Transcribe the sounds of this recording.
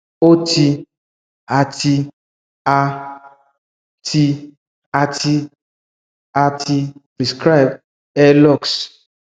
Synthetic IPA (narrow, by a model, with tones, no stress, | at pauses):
o˦ti˧ | a˨ti˧ | a˧ | tʰi˧ | a˧ti˧ | a˧ti˧pɾi˨skɾa˦jb̚ | ɛ˦lɔ˦˨ks